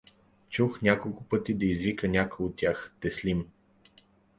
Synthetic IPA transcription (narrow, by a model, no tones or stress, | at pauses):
t͡ʃuxnʲakolˠkʊpɤt̪id̪ɐizvikənʲakojot̪ːʲjaxt̪ɛslim